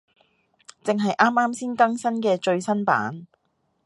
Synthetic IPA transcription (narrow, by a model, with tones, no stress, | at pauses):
t͡sɪ˨ŋɦɐ˨jʔaː˥maː˥msiː˥nkɐ˥ŋsɐ˥nkɛː˧t͡ʃɵ˧ɥsɐ˥npa̰ː˨˥n